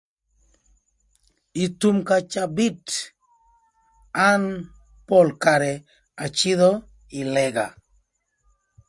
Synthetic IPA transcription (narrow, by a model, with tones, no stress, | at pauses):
i˨tu˨mkat͡ʃa˨bi˦t | a˦n | pɔ˦lkaɾɛ | a˨t͡ʃɪ˦d̪ɔ˦ | ɪ˨lɛɡa̰˨